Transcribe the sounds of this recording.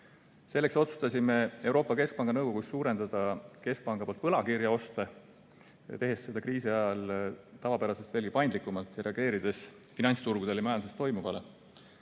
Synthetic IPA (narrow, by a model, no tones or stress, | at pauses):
se̞lːe̞kso̞t̪su̥st̪ɑsʲime̞e̞wɾo̞ːpːˑɑke̞sk̚pɑŋɡ̥ɑnɤwɡ̥o̞ɡ̥usːuːɾe̞nd̪̥ɑd̪̥ɑke̞sk̚pɑŋɡ̥ɑpo̞lt̪vɤlɑkiɾjɑo̞st̪ɑ | t̪e̞ɦe̞sse̞d̪̥ɑkriːsiɑjɑlt̪ɑvɑpæɾɑsest̪veːlɡ̥ipɑjnd̪likːˑumɑlt̪ˑjɑɾe̞ɑɡ̥e̞ːɾid̪̥e̞s | finɑnʲst̪uɾɡ̥ud̪̥e̞ljɑmɑjɑnsst̪o̞jmuvɑle